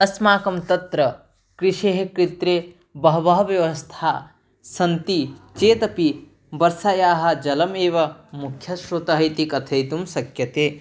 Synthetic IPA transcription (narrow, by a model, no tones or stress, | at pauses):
ɐsmaːkɐmt̪ɐt̪ɾɐ | kɾiʂeːɦekɾit̪ɾeː | bɐɦɐʋɐɦɐʋjɐʋɐst̪ʰaː | sɐnt̪it͡ʃeːt̪ɐpi | bɐɾsaːjaːɦɐ̆d͡ʒɐlɐmeːʋɐmukʰjɐʃɾut̪ɐɦɐjt̪ikɐt̪ʰɐjt̪umsɐkjɐt̪eː